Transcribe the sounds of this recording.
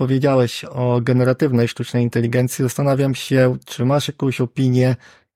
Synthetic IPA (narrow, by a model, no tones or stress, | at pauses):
pɔvʲjed͡ʑawɛɕɔɡɛnɛɾat̪ɘvnɛjʂt̪ut͡ʂnɛjint̪ɛlʲiɡɛnt̪sʲizast̪anavʲjamɕɛt͡ʂɘmaʂjakɔ̃w̃ɕɔpʲiɲjɛ